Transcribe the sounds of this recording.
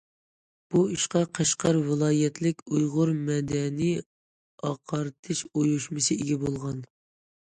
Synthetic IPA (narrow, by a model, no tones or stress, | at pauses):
b̥uiʃqɑqʰɑʃqʰɑɾvɨlˠɑːjɛt̪ʰlɪkʲujʁʊɾmɛd̪ɛnij | ɑqʰɑɾɨt̪ʰɨʃojuʃmɨsɨiɡʲɛbolˠʁɑn